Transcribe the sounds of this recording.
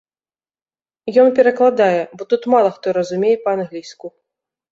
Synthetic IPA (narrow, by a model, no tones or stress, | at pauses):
jɔnpʲɛɾɐklˠad̪ajɛbɔt̪ut̪malˠɐxt̪ɔɾɐzumʲejɛpɐanɣlʲisku